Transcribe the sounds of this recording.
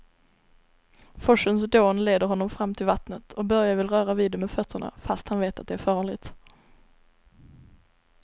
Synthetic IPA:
fɔʂəns̬d̪oːnleːd̪əɾɦɔnːɔmfɾamːt̪ʰɪlvat̪nət̪ʰɔk̚bœɾjavɪlɾœːɾaviːd̪ɛmɛfœt̪ʰːəɳa̰fast̪hanveːt̪at̪̚d̪ɛæɾfɑːɭɪt̪

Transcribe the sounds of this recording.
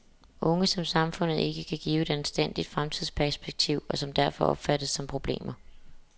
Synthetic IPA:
ʔɔ̽ŋəsɒ̽msɑ̈mfɔ̽n̰ð̞̩ˠe̝ɡ̥əkʰæɡ̥ḭːʊe̝d̥ænsd̥en̰d̥id̥fʁamt͡sʰiðˠspʰæɐsb̥eɡ̥̚t͡sʰiʊ̰ɒ̽sɒ̽md̥æɐfɒ̽ʔɒ̽b̥fæɾ̥əsːɒ̽mpʰʁo̝b̥le̝̰ːmɐ

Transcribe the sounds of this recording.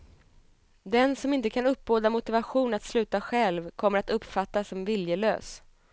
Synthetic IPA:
d̪ɛnsɔmɪnt̪əkʰanɵpːboːd̪amʊt̪ɪvaɧuːnat̪slʉ̟ːt̪aɧɛlvkʰɔmːəɾat̪ɵpːfat̪ːasːɔmvɪljəlø̰ːs

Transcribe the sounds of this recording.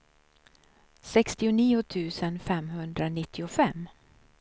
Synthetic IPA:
sɛkst̪ɪʊniːʊt̪ʰʉ̟ːsənfɛmhɵnd̪ɾanɪt̪ʰːɪʊfɛmː

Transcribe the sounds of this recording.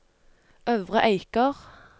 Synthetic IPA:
ʔøːʋʁəʔæɪkəʁ

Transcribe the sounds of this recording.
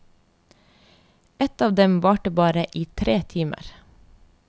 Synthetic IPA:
ɛt̪ɑːʋd̪ɛmʋɑːʈəbɑːɾəʔiːt̪ʰɾeːt̪ʰiːmə̰ɾ

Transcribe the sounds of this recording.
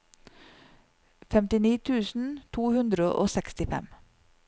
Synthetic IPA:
fɛmt̪ɪniːt̪ʰʉːsn̩t̪ʰuːhʉnd̪ɾəʔo̰ːsɛkst̪ɪfɛ̰m

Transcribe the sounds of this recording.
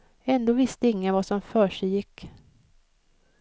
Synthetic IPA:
ɛnd̪oːvɪst̪əɪŋːənvasɔmfœːʂɛjɪkː

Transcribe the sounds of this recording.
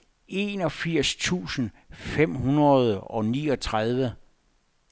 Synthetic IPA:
e̝nɒ̽fiɐ̰st͡sʰṵːsən̩ | fem̰ɦunɐð̞ˠɒ̽nḭːɒ̽t͡sʰʁaðˠʋə

